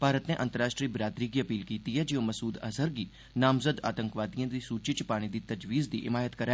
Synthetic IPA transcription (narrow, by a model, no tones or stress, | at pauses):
paːɾət̪neːʔənt̪əɾaːʃʈɾiːbɾaːt̪ɾiːɡiːəpiːlkiːt̪iɦɛːd͡ʒeõːməsuːd̪ə̰səɾɡiː | naːmzəd̪a̰ːt̪ə̃ŋkʋaːd̪ijãːd̪iːsuːt͡ʃɪt͡ʃpaːɽ̃id̪iːt̪əd͡ʒʋiːzd̪iʔɪmaːjət̪kəɾɛ